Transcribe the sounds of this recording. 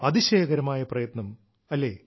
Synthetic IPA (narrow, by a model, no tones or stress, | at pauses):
ɐðiɕeːɣɐɾɐmaːjɐprɐjɐt̪nɐm | ɐlːe̞ː